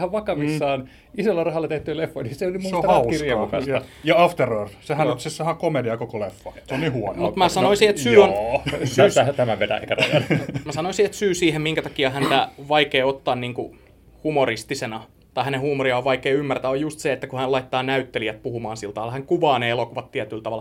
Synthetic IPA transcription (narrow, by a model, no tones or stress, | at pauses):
hæʋʋɑkɑʋisːɑːn | isolːɑrɑhɑlːɑt̪eht̪yːlefːoiniseolimusohɑsiriɑupæt̪æjɑɑft̪erørsehænosessɑhɑkomediɑkokolefːɑseoniːhuono̰mut̪mæsɑnnoisiet̪syːonsyæt̪æmæʋʋet̪æ̰ḛikærjɑ̰mæsɑnoisiet̪syːsiːhemmiŋkæt̪ɑkiɑhænt̪æʋɑikeːot̪ːɑːnniːŋku | humorist̪isenɑ | t̪ɑihænehuːmoriɑoʋʋɑikeːymːært̪æojjust̪seet̪ːækuhænlɑit̪ːɑːnæyt̪ːeliæt̪̚puhumɑːnsilt̪ɑʋɑlhæŋkuʋɑːneelokuʋɑt̪t̪iæt̪ylt̪ɑʋɑl